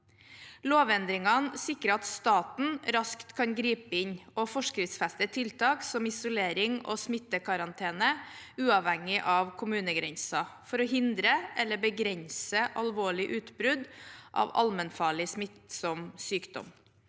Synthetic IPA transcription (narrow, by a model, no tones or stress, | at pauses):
loːʋɛnd̪ɾɪŋɑnsɪkːəɾəɑt̪st̪ɑːt̪n̩ɾɑskt̪kʰɑnɡɾiːpəɪnɔfɔʂkɾɪft̪sfæst̪ət̪ʰɪlt̪ʰɑːksɔmɪsʊleːɾɪŋo̰ːsmɪt̪ːəkʰɑɾɑnt̪ʰeːnəʉːɑʋhɛŋːɪʔɑʋkʰʊmʉːnəɡɾɛnsɑfɔɾɔɦɪnd̪ɾəʔɛlːəbəɡɾɛnsəʔɑlʋoːɭɪʔʉːt̪bɾʉd̪ʔɑ̰ːʋɑ̰lmənfɑːɭɪsmɪt̪sɔmsyːkd̪ɔ̰m